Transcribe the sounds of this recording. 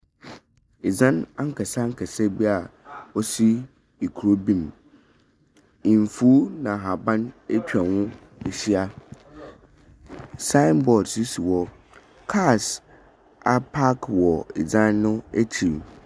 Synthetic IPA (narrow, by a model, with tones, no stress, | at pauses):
ɪ˨d͡zã˦na˦ŋ̩˦kʰɛ˨sa˦ŋ̩˦kʰɛ˨sɛ˦bi˦a˨ɔ˦si˦ | i˨kʰu˨ɾo˦bĩ˦m | ĩ˨ɱ˨fu˦nã˨ɦa˨bã˦ne˦tʰᶣa˨wʊ̃˦ | ɛ˨ɕi˦a˦ | sã˦mbɔ˨dsi˦si˨wɔ˦ | kʰa˦˨s | a˦pʰa˦kʰwɔ˨ɪ̰˨d͡zã˦nːʊ̃˦e˦tʰi˨ɾ